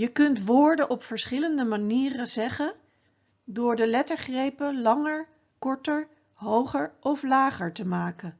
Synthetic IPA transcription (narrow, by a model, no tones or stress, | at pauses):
jəkɵntʋʊːɹdənʔɔpfəɹsχɪləndəmaniːrəzɛχən | dʊːɹdəlɛtəɹχrejpəlɑŋəɹ | kɔɹtəɹ | ɦowχəɹʔɔflaːχəɹtəmaːkən